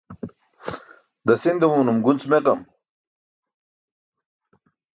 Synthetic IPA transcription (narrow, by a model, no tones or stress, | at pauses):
d̪ɐsind̪ɐwuːnumɡunt͡smekɐm